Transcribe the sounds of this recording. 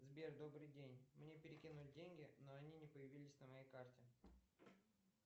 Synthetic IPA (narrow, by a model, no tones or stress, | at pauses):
zbʲerd̪o̞bɾɨjdʲenʲmnʲe̞pʲɪɾʲɪkʲinulʲɪdʲenʲɡʲɪnoɐnʲinʲɪpəjɪvʲilʲɪsʲnəmɐjejkartʲɪ